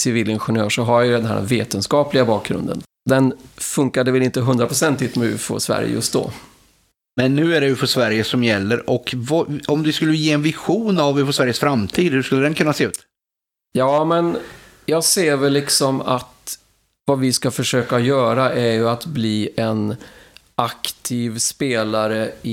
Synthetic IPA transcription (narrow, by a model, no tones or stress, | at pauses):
sɪviːlɪnɧɪnøːʂɔɦaɾjajɵd̪ɛnɦæ̰ːɾ̰veːt̪ənskɑːplɪɡabɑːk̚ɡɾɵ̰nd̪ə̰n | d̪ɛnfɵŋkad̪əvɛlɪnt̪əɦɵnd̪ɾapʰɾʊsɛnt̪ːɪt̪mɛʉ̟̰ːfo̰svæ̰ɾjə̰jɵ̰st̪̚d̪ɔ̰ | mɛnːʉ̟ːæɖɛʉːfɔsvæɾjəsɔmjɛlːəɾɔkvɑɔmd̪ɪskɵlːəjeːɛnvɪɧuːnavʉ̟ːfɔsvæɾjəsfɾamt̪ʰiːd̪hʉʂkɵlːəd̪ɛnkʰɵnːaseːʉ̟ːt̪ | jɑːmɛn | jɑːɡseːɾvɛlːɪksɔma̰t̪ | vavɪskafœʂøːkajœːɾaʔæɾjɵat̪bliːɛn | akt̪ʰiːvspeːlaɾəɪ